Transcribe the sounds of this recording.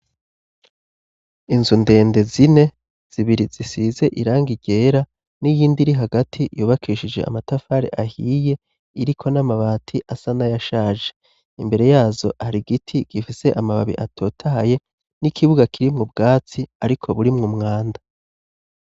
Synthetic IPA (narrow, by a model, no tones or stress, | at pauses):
inzunde̞ːnde̞zine̞ | z̥iβiɾizisize̞ʔiɾaːŋɡiɟe̞ːɾa | nijiːndiɾiɦaɡatʰijuːβakʰiʃid͡ʒe̞̰ʔa̰matafaɾḛʔahiːje̞ | iɾikʰo̞namaβaːtʰiʔasanajaʃaːʒe̞̥ | imbe̞ɾe̞jaːzo̞haɾiɡitʰiɡ̥ifise̞ʔamaβa̰βḭʔatʰo̞ːtʰaɦaje̞ | nikʰiβuɡakʰiɾimŋubɡaːt͡siaɾikʰo̞βuɾimŋumŋaːnda